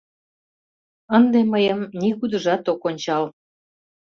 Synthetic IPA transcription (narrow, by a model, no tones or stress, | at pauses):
ənd̪eməjəmniɣud̪əʒɑt̪okonʲt͡ɕɑl